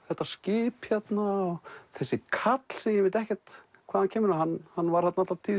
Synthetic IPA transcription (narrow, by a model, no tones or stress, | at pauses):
θɛht̪ːascɪːpçjɛt̪naɔθɛsːɪkʰat̪l̥sɛmjɪvɪt̪ɛhcɛ̥t̪ | kʰaːðhancʰɛːmɪɾahanːhanːvaɾ̥hat̪naat̪lat̪ʰi